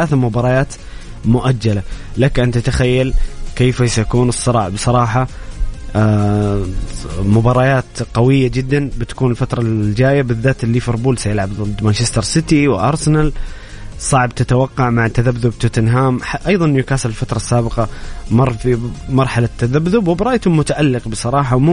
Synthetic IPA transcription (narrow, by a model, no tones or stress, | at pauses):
alaːθamʊbɑːɾˤɑjaːt̪ | mʊʔad͡ʒːalalakʔɪnt̪at̪axajːalkeːfasajakuːnɨsˤːɨɾˤɑːʕbsˤɑɾˤɑːħɑ | mʊbɑːɾˤɑjaːt̪qɑwɪjːad͡ʒɪd̪ːanbɪt̪ḁkuːnɪlfat̪ɾˤɑd͡ʒaːjabɪðːaːt̪lːifɪɾˤbuːlsajɪlʕabd̪manʃɪst̪ɑɾˤsɪt̪iwɪʔɑɾˤsɪnal | sˤɑʕbt̪ɪt̪awɑqːɑʕmaʕt̪ːaðabðʊb̚t̪ɪt̪ɪnɦaːmħaʔɑjðˤɑnjʊkaːsɪlɪlfat̪ɾˤɑsːaːbɪqɑmɑrˤːfimɑɾˤħalat̪ːaðabðʊbwɪbɾˤɑʔjt̪ʊmʊt̪aʔalːɪqbɨsˤɑɾˤɑːħawmʊ